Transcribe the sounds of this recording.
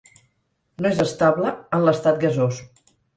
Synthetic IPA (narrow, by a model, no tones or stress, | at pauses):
noezəst̪aβləənləst̪at̪̚ɡəzos